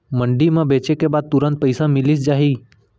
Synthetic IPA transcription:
mə̃ɳɖimãbeːt͡ʃekebaːd̪̚t̪ʊɾə̃nt̪̚pəɪsãmɪlis̬d͡ʒaːɦiː

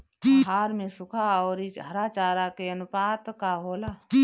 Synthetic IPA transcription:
ɦaːɾmẽsʊkʰaɔːɾɪt͡ʃɦəɾaːt͡ʃaːɾakeənʊpaːt̪kaɦoːlaː

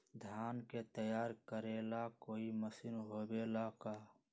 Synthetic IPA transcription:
d̪ʱjaːnket̪əjaːɾkəɾelakoːiməsɪnɦoːbelakaː

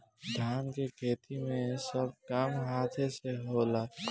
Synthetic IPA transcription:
d̪ʱaːnkekʰeːt̪ʰimẽsəbkaːmɦaːt̪ʰeseɦola

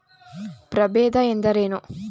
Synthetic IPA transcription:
pɾɐbeːd̪ɐend̪ɐɾeːnu

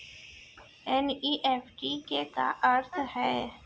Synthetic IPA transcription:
ɛniːʔeːpʰʈikeka̰ʔəɾt̪ʰhɛː

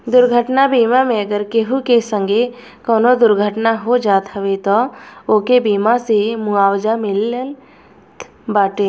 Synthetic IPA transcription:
d̪ʊɾɡʱəʈnabiːmamẽɐɡəɾkeɦukesə̃ŋɡʱe | koːnod̪ʊɾɡʱəʈnaɦod͡ʒaːt̪əʋet̪ooːkebiːmasemuaːwd͡ʒamɪlːəl | t̪ | baːʈeː

